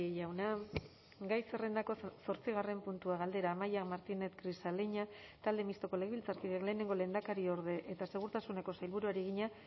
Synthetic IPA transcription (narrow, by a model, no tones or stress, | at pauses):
ejawna | ɡajsere̞nd̪ako̞so̞ɾt͡siɣ̞are̞mpunt̪uaɣ̞ald̪e̞ɾaːmajakmaɾt̪ine̞t̪kɾisaleɲat̪ald̪e̞mist̪o̞ko̞leɣβilt͡saɾkiðekle̞ːne̞ŋɡo̞le̞nd̪akaɾio̞ɾð̞e̞ʔet̪ase̞ɣ̞uɾt̪asune̞ko̞sajlβuɾuaɾiɣ̞iɲa